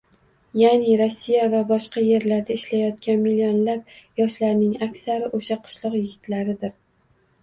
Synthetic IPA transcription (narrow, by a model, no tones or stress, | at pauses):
janɪɾɒsːijavabɒʃqɑje̞ɾlaɾd̪aɪʃlajɒt̪̚kʲanmilionlap̚jɒʃlaɾnɪŋakʲsaɾɪʔoʃaqʰʊ̥ʃlˠɒqjɪɡʲɪt̪ʰlaɾɪd̪ɪɾ